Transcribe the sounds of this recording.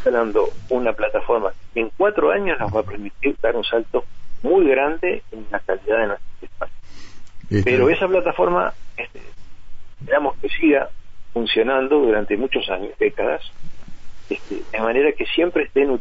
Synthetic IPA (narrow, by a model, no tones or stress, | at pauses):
anand̪o̞unaplat̪afo̞ɾma̰eŋkwat̪ɾoaɲosnozβapɛɾmit̪iɾd̪aɾunsalt̪o̞mujɣɾand̪e̞̰enlakaliðaðe̞nwe̞st̪ɾosehpasjospeɾo̞esaplat̪afo̞ɾma̰est̪ḛepeɾamo̞skesiɣafunsjo̞nand̪o̞ðuɾant̪e̞mut͡ʃo̞sa̰ɲoðekaða̰s | est̪ḛðemaneɾake̞sje̞mpɾeht̪enu